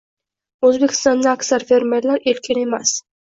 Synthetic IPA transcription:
ɵzbekʲɪ̥st̪ɑnd̪aːksaɾfeɾmeɾlaɾelkʲʰɪne̞mas

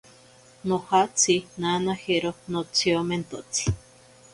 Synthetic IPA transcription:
nohat͡sinanaheɾonot͡sioment̪ot͡si̥

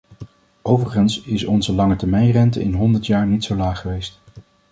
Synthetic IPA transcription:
owvərχənsɪsɔnzəlɑŋətɛɹmɛjnrɛntə̰ʔɪnɦɔndəɹtjaːɹnitsowlaːχəʋejst

